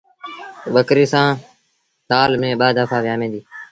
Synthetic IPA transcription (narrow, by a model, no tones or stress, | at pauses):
ɓəkɾiːsãː | saːlmẽːɓaːd̪əpʰaːʋjaːmẽːd̪iː